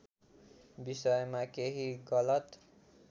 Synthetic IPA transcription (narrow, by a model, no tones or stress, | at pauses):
bisʌjmakeɦiɡʌlʌt̪